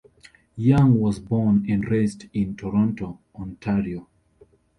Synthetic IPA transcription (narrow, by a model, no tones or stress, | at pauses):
jãŋwɔzbɔnɛ̃nɹesdĩntʰɔɹɔ̃ntʰoʔɔ̃ntʰaɹio